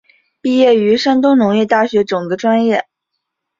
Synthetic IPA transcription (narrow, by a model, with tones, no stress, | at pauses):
pi˥˧jɛ˥˩y˧˥ʂa˥nt̪ʊ˥ŋnʊ˧˥ŋjɛ˥˧t̪a˥˩ɕɥɛ˧˥ʈ͡ʂʊ˨˩ŋd̪ə˦ʈ͡ʂwa˥njɛ˥˩